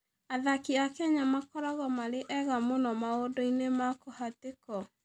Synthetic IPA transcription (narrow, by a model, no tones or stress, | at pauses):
aðakiakɛɲamakɔɾɔɣɔmaɾeʔɛɣamonɔmaodoinemakohatekɔ